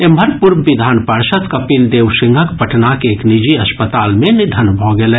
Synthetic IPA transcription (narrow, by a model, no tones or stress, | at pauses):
embʱəɾpuɾbid̪ʱaːnpəɾsət̪kəpild̪eːʋsĩŋɡʱəkpəʈʰnakeeːknid͡ʒiɐspət̪aːlmẽnid̪ʱənbʱɔɡelɛ